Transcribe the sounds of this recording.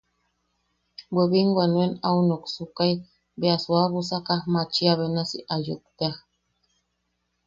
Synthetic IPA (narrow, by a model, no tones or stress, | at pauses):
bweβiŋɡʷanuenaunoksukaj | beaswaβusakahmat͡ʃiaβenasiʔajṵk̚t̪eah